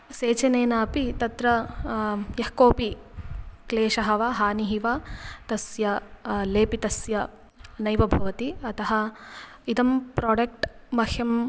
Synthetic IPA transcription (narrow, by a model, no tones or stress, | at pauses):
seːt͡ʃɐneːnaːpit̪ɐt̪ɾɐ | jɐhkoːpi | kleːʃɐɦɐʋaːɦaːniɦiʋat̪ɐsjɐleːpit̪ɐsjɐ | nɐjʋɐbʱɐʋɐt̪iɐt̪ɐɦɐ | id̪ɐmpɾoːɖɐk̚ʈmɐhʰjɐm